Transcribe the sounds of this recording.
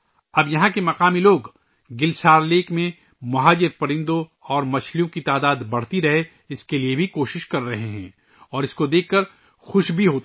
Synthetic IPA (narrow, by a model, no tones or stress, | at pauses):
ɐbjɐɦãkemɐqaːmiloːɡ | ɡɪlsaːɾleːkmẽ | mɐɦaːd͡ʒɪɾpɐɾɪ̃nd̪õɔːɾmɐt͡ʃʰlijõkit̪aːd̪aːd̪bɐɽ̤t̪iɾɐɦe | ɪskeliebʱikoːʃɪʃkɐɾːɐɦeɦɛ̰̃ː | ɔːɾɪskod̪eːkʰːɐɾ | xʊʃbʱiɦoːt̪ː